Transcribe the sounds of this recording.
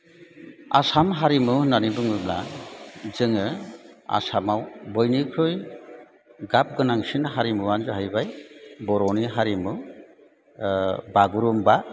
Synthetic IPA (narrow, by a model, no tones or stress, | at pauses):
a̰samɦaɾimɯnanibɯŋɯbla | zɯŋɯa̰samawbɔjnikʰɾɯj | ɡap̚ɡɯnaŋsinɦaɾimɯwanzɯɦajbajbɔɾɔniɦaɾimɯ | baɡuɾumba